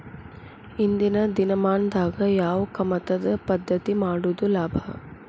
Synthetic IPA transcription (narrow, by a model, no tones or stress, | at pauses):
ind̪inɐd̪inɐmaːnd̪aːɡɐjaːʋɐkɐmɐt̪ɐd̪ɐpɐd̪ʱːɐt̪imaːɽud̪ulaːbʱɐ